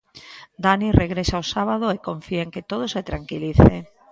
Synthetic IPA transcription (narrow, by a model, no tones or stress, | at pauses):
d̪anireɣɾesaosaβað̞oekoɱfieŋket̪oð̞oset̪ɾaŋkiliθeŋ